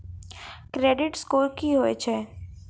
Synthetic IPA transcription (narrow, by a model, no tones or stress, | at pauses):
kɾeːɖɪʈskoːɾkiɦoːet͡ʃʰɛː